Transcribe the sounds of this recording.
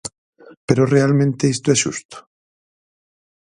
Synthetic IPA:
peɾorealmẽnt̪eist̪oɛʃṵst̪ʊ̥

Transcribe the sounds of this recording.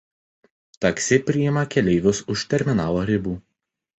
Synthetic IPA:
t̪ɐksʲɪpʲɾʲɪjɪmɐkʲɛlʲɛɪʋʲʊsʊʃʲt̪ʲɛɾʲmʲɪnɑːloːɾʲɪbuː

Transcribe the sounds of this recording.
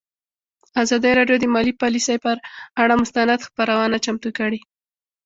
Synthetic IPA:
azɑd̪əjɾɑɖjod̪əmɑlipɑlisəjpəɾaɽamʊst̪anad̪xpəɾawənat͡ʃamt̪ukəɽi

